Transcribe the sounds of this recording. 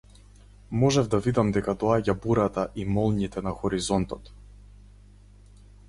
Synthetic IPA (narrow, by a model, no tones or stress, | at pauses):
mɔʒɛvd̪avid̪amd̪ɛkad̪ɔaɟabuɾat̪aʔimɔlˠɲit̪ɛnaxɔɾizɔnt̪ɔt̪